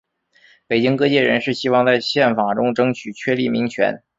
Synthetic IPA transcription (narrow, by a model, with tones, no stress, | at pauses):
pe˨˩ɪt͡ɕi˥ŋkɤ˥t͡ɕjɛ˥˩ɻə̰˧˥nʂɻ̩˥˩ɕi˥wɑ˥˧ŋt͡sa˥˧ɪɕjɛ˥˩nfa˨˩ʈ͡ʂʊ˥ŋʈ͡ʂɤ˥ŋt͡ɕʰy˨˩t͡ɕʰɥɛ˥˧li˥˩mi˧˥ŋt͡ɕʰɥɛ̰˧˥n